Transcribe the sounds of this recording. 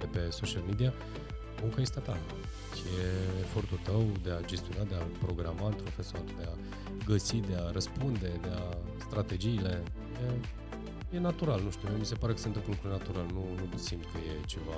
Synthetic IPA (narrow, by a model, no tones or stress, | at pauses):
epe̞so̞ʃialmed̪ia | uŋkajist̪at̪a | jeefo̞rt̪ult̪əwd̪e̞ad͡ʒe̞st̪ijo̞nad̪e̞apɾo̞ɡɾamaɨnpɾo̞fe̞soard̪ea | ɡəsid̪e̞aɾəspund̪e̞d̪e̞ast̪ɾat̪e̞d͡ʒiːle̞ | je̞ | je̞nat̪uɾalnuʃt̪iujomise̞paɾekə̥se̞nt̪ɨmplukɾunat̪uɾalnunusimt̪̚kəje̞t͡ʃe̞va